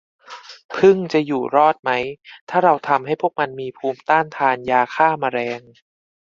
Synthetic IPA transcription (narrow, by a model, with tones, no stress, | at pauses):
pʰɯ˥˩ŋt͡ɕa˨˩juː˨˩ɾɔː˥˩t̪̚ma˦˥jt̪ʰaː˥˩ɾa˧wt̪ʰa˧mɦa˥˩jpʰu˥˩ək̚ma˧nmiː˧pʰuː˧mt̪aː˥˩nt̪ʰaː˧njaː˧kʰaː˥˩maː˧ɾɛː˧ŋ